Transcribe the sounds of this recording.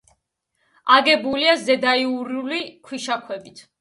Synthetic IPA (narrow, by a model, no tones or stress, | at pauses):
aɡɛbuliazɛd̪aiuɾulikʰwiʃakʰwɛbit̪ʰ